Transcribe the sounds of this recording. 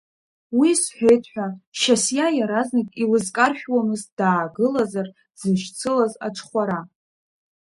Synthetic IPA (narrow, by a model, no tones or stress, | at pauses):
wisħʷᶣejtʰħʷᶣaʃasjajaɾaznɨkʼilɨzkʼarʃᶣwamɨzd̥aːɡɨlazar | zɨʃt͡sʰɨlaza̰ʈ͡ʂʷʰʼχʷaɾa